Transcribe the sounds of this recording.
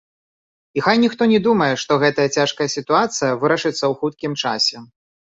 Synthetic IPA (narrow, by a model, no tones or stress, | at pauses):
ixajnʲixt̪ɔnʲɛd̪umɐjɛʂt̪ɔɣɛt̪ɐjɐt͡sʲaʂkɐjɐsʲit̪uat̪sɨjɐvɨɾɐʂɨt̪sːɐwxut̪kʲimt͡ʂa̰sʲɛ